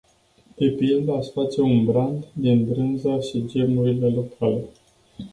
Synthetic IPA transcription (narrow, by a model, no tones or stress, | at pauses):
d̪̥e̞pild̪easfat̪seunbɾand̪d̪inbɾɨnzaʃid͡ʒe̞mnuɾile̞lokʰale̞